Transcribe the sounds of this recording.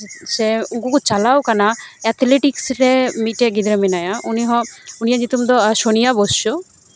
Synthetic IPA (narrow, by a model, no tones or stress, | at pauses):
seuɡukut͡ʃalawkanaɛt̪ʰliʈiksɾemiʈeɡid̪ɾɔminajaʔuniɦɔ̃unijad͡ʒit̪umd̪ɔʃonijaboso